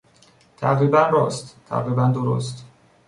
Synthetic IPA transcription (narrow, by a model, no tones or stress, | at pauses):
t̪ʰæ̰ɣɾiːbænɾɒːst̪t̪ʰæ̰ʁɾiːbænd̪oɾo̰st̪